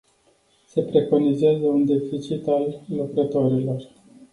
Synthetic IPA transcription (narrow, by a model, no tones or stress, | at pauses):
se̞pɾe̞ko̞nizezəund̪e̞fit͡ʃit̪alːukɾət̪o̞ɾilo̞r